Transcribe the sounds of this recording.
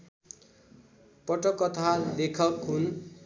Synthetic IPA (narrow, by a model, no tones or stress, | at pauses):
pʌʈʌkːʌt̪ʰalekʰʌkɦun